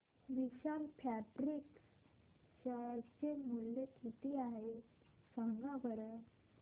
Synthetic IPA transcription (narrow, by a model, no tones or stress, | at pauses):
ʋiɕalpʰæʈɾiks | ɕəɭt͡ɕemulːekit̪iaɦe | səŋɡaʋəɾə